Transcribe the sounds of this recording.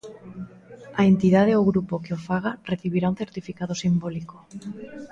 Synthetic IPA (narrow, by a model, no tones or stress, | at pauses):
aent̪ið̞aðeoɣɾupokeofaɣ̞areθiβiɾaun̟θeɾt̪ifikaðosimboliko